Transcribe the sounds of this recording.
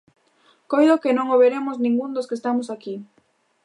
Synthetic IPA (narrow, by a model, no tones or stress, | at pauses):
kojðokenõŋoβeɾemoznĩŋɡund̪oskest̪amosaki